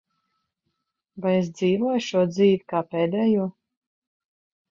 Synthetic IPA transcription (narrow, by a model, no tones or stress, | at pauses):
vajes̬d̪ziːvuɔjʃuɔd̪ziːvʲikaːpeːd̪ɛːjuɔ